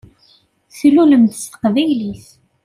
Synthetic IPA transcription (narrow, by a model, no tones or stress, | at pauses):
θiluləmθsə̥qvæjliθ